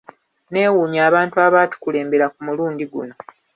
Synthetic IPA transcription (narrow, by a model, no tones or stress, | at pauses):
ne̞ːwuːɲaːβaːntuaβaːtu̥kule̞ːmbe̞ɾakumuluːndiɡṵno̞